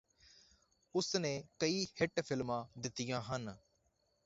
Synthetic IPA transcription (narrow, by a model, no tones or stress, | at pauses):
ʊsnẽːkəiːhɪʈpʰɪlmãːd̪ɪt̪ːɪjãːɦən